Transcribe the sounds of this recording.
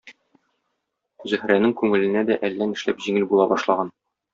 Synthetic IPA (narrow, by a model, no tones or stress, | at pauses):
zɵ̆hɾænɘŋkʉŋɘ̆lɘ̆næd̪æʔælːænɘ̆ʃlæpʑiŋɘlbulˠɑbɒʃlˠɑʁɑn